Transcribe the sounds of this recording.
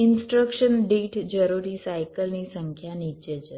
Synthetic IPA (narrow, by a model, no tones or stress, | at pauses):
ɪnsʈɾəkʃənɖeʈd͡ʒəɾuɾisajkəlnisəŋkʰjanit͡ʃət͡ʃə